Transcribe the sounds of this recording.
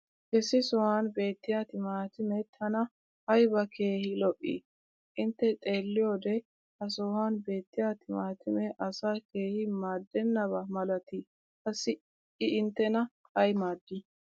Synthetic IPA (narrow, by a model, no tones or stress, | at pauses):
ʔɛsɪsɔhanbe̞ːt̪ːɪjat̪ɪmaːt̪ɪmɛt̪ʰɐnɐ | hɐjbɐke̞ːhɪlɔʔʼːḭ | ʔɪnt̪ːɛt̪ʼe̞ːlːɪjoːd̪ɛ | hɐs̬ɔhanbe̞ːt̪ːɪjat̪ɪmaːt̪ʰɪmɛʔɐsake̞ːhɪmaːd̪ːɛnːɐbɐmɐlɐt̪i | kɐsɪ | ɪːnt̪ːɛnɐ | hɐjmaːd̪ːi